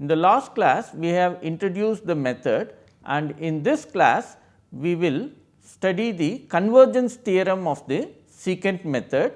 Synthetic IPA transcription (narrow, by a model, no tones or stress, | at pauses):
ɪ̃nd̪əlaːsʈ̚klæːsʋiːɦæʋɪ̃ɳʈɾoɖjuːsʈ̚d̪əmɛt̪ʰəɖ | ʔæ̰̃ɳɖɪ̃nd̪ɪsklæ̰ːs | ʋiːʋɪl | sʈɐɖid̪ikə̃nʋəɾd͡ʒə̃nst̪iəɾə̃mɔːʋd̪i | sikə̃ɳɖmɛt̪ʰəɖ